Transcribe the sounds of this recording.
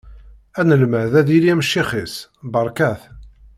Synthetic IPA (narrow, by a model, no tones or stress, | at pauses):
ænəlmæðæðiliæməʃːiχisbəɾˤkæθ